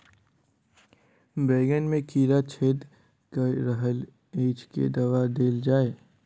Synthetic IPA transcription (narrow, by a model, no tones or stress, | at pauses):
beːɡənmẽkiːɾat͡ʃʰeːd̪ | kəɾəɦəl | eːt͡ʃkḛd̪ɐʋad̪eːld͡ʒaːeː